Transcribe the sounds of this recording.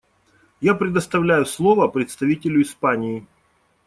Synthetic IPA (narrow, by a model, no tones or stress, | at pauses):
japɾʲɪd̪əst̪ɐvlʲæjʊslˠo̞vəpɾʲɪt̪st̪ɐvʲitʲɪlʲʊɪspanʲɪː